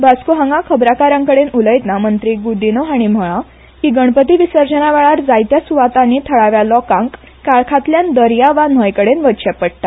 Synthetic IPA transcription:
bʱaskuɦãŋɡakʰəbɾakaɾãŋkəɽenuləjt̪namənt̪ɾiːɡud̪inoɦaɽ̃im̤əɭa | kiɡəɳpət̪iʋisəɾd͡ʑənaʋɛɭaɾd͡zajt̪jasuʋat̪ãnːiːt̪ʰəɭaʋjalɔkãŋk | kaɭkʰat̪ljand̪əɾjaʋanəjkəɽenʋəɕapːəɽ̚t̪a

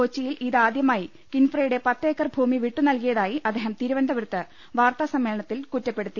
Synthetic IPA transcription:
oːt͡ɕːijilʔiðaːd̪jɐmaːji | kinfrɐjuɽe̞pɐt̪ːeːkːɐrbʱuːmiʋiʈːunɐlkijɐðaːjiʔɐd̪ːeːɦɐmt̪iɾuʋɐnd̪ʱɐʋɐɾut̪ːɨ | ʋaːrt̪asɐmːeːlɐɳɐt̪ːilkutːɐpːe̞ɽut̪ːi

